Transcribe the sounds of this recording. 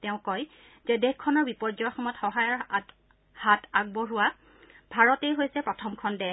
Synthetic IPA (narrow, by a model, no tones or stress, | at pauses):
tɛʊ̃kɔj | zɛdɛxkʰːɔnɔɹbipɔɹzɔjxɔmɔjɔtxɔɦajɔɹ | hataɡ̚bɔɹuwa | bʱaɹɔtejɦojsɛpɹɔtʰɔmkʰɔndɛ